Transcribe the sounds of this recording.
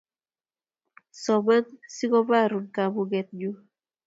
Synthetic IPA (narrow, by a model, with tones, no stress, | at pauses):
sɔ˨ma˦nsi˦ɡɔ˦ba˦ɾu˨nkabu˦ɡɛt̪̚d͡ʒu˦